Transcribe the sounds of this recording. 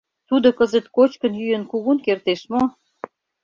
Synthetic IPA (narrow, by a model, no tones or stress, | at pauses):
t̪ud̪okəzət̪kot͡ɕkənjyjənkuɣunkert̪eʃmo